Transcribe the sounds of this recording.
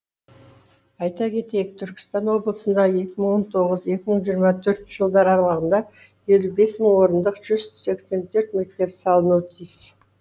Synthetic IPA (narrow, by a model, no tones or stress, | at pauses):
ɑjt̪ɑkʲʰe̞t̪e̞jɪk̚t̪ʰʏɾkʲɪ̥st̪ɑnwo̞blˠəsənd̪ɑje̞kʲɪməɴwo̞nt̪ʰo̞ʁəze̞kʲɪməɴʒijəɾmɑt̪ʰɵɾt̪ʒ̥əlˠd̪ɑɾɑɾlˠɑʁənd̪ɑje̞lʲube̞sməɴwo̞ɾənd̪əqʒ̥ʏz̥se̞kse̞nt̪ʰɵɾt̪me̞k̚t̪e̞psɑlˠənut̪ʰijs